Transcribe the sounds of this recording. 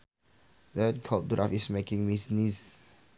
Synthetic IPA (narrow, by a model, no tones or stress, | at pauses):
dətʰɔduɹafismekɪ̃ŋmisnis